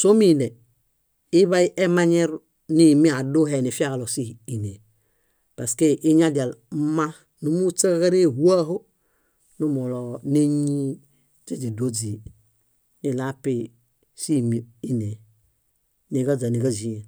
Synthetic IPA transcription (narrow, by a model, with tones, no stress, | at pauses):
so˦mi˦ne˨ | i˦βa˦jʔe˦ma˦ɲe˦ɾ | ni˦mi˦a˨do˦ɦe˨ni˨fi˦a˦ka˨lo˨si˦i˨ne˨ | pa˨ske˦ʔi˦ɲa˦da˨lma˦ | nu˦mu˦t͡sa˦ka˦ɾe˦hu˦a˦ɦo˦ | nu˦mo˨lo˨ne˦ɲi˦ | te˦d͡ʒi˨do˦d͡ʒi˨ | ni˨la˦pi˨ | si˦mi˨i˦ne˨ | ni˨ka˦za˨ni˨ɡa˦zi˨e˨